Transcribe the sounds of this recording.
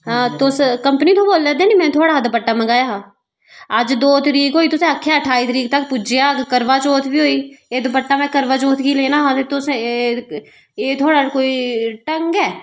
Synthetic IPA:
t̪oskə̃mpənit̪ʰoboːlːɛd̪enimɛ̃ːt̪ʰoːɽaːɦd̪pəʈːamə̃ɡaːjaɦa | əd͡ʒd̪oːt̪ɾiːkɦoːiːt̪ʊsẽəkʰːjaəʈʰaːiːt̪ɾiːk̚t̪ɐk̚pʊd͡ʒejaɡkəɾʋat͡ʃoːt̪ʰbiɦoːiːeːd̪pəʈːamɛ̃kəɾʋat͡ʃoːt̪ʰkileːnaɦãt̪et̪ʊs | eːt̪ʰoːɽakoːiʈəŋɡɛː

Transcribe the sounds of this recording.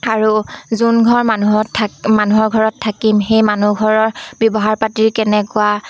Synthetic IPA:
aɹuzunɡʱɔɹmanuɦɔtʰmanuɦɔɹɡʱɔɹɔtʰːakimxejmanuɡʱɔɹɔɹbjɔbɔɦaɹpatiɹkɛnɛkʊa

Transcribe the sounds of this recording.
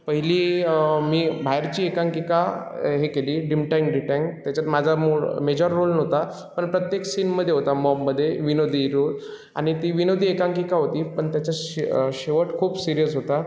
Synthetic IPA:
pəɦiliːmiːbʱajɾt͡ɕiːekãŋkika | ɦekeliːɖimʈajŋɡɖiʈeŋt̪jat͡ɕat̪mad͡zʱamuɭmed͡ʑəɾːolnəɦt̪a | pəɳpɾət̪jeksinməd̪ʱjeɦot̪amɔmːəd̪ʱːjeʋinod̪ʱiːɾod̪ | a̰ɽ̃it̪iːʋinod̪ʱiːekãŋkikaɦot̪iːpəɳt̪jat͡ɕaɕeʋəʈkʰuːbsiɾijəsɦot̪a

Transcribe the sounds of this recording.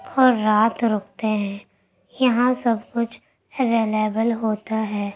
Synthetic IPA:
ɔːɾːaːt̪ɾʊːkʰt̪eɦɛ̃ː | jɐɦãsɐbkʊt͡ʃʰ | ɛʋeːleːbəlɦoːt̪aɦɛː

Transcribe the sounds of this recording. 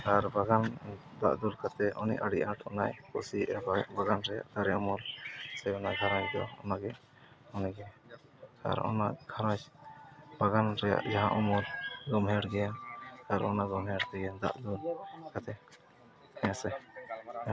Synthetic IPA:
aɾbaɡand̪aʔd̪ulkat̪ɛʔɔnḭʔaɽiʔaʈɔnajkɔsiʔɛbbaɡanɾɛja̰ʔt̪aɾɛɔmulsɛjɔnaɡʱaɾãd͡ʒd̪ɔ̰ɔ̰naɡɛ | ɔniɡɛ | a̰ɾɔ̰naɡʱaɾãd͡ʒ | baɡanɾɛja̰ʔd͡ʒaɦãʔɔmɔlɡɔmɦɛɽɡɛnaɾɔnaɡɔmɦɛɽt̪ɛɡɛnd̪a̰ʔd̪ulkat̪ɛ | ɛ̃sɛ

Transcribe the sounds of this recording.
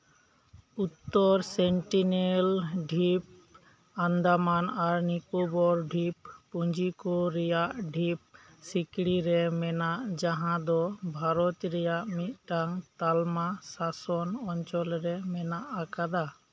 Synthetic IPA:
ut̪ːɔɾsɛɳʈinelɖʱip̚ | and̪amanaɾnikobɔɾɖʱippuɲd͡ʒikoɾɛjaʔɖʱip̚ | sikɽiɾɛmɛnaʔd͡ʒaɦãd̪ɔbʱaɾɔt̪ɾɛjaʔmit̪̚ˀʈaŋt̪almasasɔnɔɲt͡ʃɔlɾɛmɛnaʔakad̪a

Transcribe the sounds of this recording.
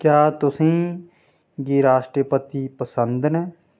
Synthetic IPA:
kjaːt̪ʊsĩː | ɡiɾaːʃʈɾəpət̪iːpəsənd̪nɛː

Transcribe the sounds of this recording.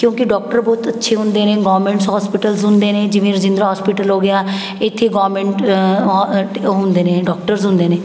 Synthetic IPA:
kjõːkɪɖɔːk̚ʈəɾbɔːt̪ətːʃʰeːɦʊ̃nd̪eːnẽːɡɔːmẽːɳʈsɦɔːspɪʈəlsɦʊ̃nd̪eːnẽːd͡ʒɪʋẽːɾəd͡ʒɪ̃nd̪ɾaɦɔːspiːʈəlɦoːɡɪjaː | ɪt̪ʰːeːɡaːɾmẽːɳʈː | ɦʊ̃nd̪eːnẽːɖɔːk̚ʈəɾsɦʊ̃nd̪eːnẽː

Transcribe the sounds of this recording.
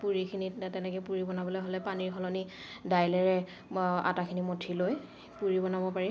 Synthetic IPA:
puɹikʰinittɛnɛkɛpuɹibɔnabɔlojɦolɛpaniɹɦʰɔlɔni | dajlɛɹɛ | a̰takʰinimotʰiloj | puɹibɔnabɔpaɹi

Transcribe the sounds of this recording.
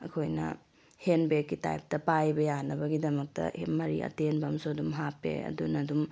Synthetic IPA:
ɐ̰kʰojnɐ̰ | henbekːita̰jp̚tɐpajbɐjanɐbɐɡidɐmɐk̚tɐ̰emɐɾḭʔɐ̰tenbɐmsoɐdumɦapːḛɐ̰dunɐdum

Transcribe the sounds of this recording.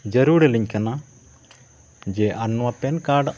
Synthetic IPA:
d͡ʒəɾuɽɛliɲkana | d͡ʒɛʔanːuwapɛnkaɖ

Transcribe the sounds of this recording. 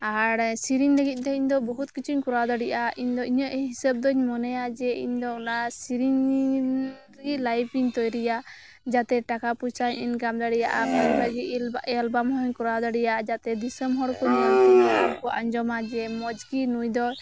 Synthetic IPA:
aɾsiɾiɲləɡit̪̚ˀt̪ɛiɲd̪ɔbɔɦut̪̚kit͡ʃʰiɲkuɾad̪ɔɽiʔaiɲd̪ɔiɲəʔɦisɛb̚d̪ɔɲmɔnɛjad͡ʒɛḭɲd̪ɔunasiɾiɲ | ɾɛɡit̪̚lajpʰiɲt̪ɔjɾɛja | d͡ʒat̪ɛʈakaput͡ʃaɲʔḭɲkamd̪aɽija̰ʔaɔaɾlaɡit̪̚ʔalbamhɔɲkuɾad̪ɔɽijaʔad͡ʒat̪ɛd̪isəmɦɔɽkɔɲaɔnkɔʔaɲd͡ʒɔmad͡ʒɛmɔd͡ʒɡinujd̪ɔ

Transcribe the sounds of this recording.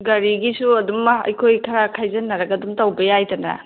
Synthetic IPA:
ɡɐɾiɡisuɐdumɐɐ̰jkʰojkʰɐɾakʰajzɐnːɐɾɐɡɐdumtawbɐjajtɐnɐ̰

